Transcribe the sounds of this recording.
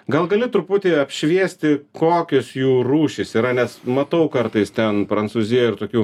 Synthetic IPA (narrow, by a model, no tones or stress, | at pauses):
ɡɐlˠɡɐlʲɪt̪ɾʊpʊt̪ʲeːɐpʲʃʲʋʲiɛsʲt̪ʲɪkoːkʲɪsjuːɾuːʃʲɪsiːɾɐnʲɛsmɐt̪ɐʊkɐrt̪ɐɪst̪ʲɛnpɾɐnsuːzʲɪjɛɪrt̪oːkʲuː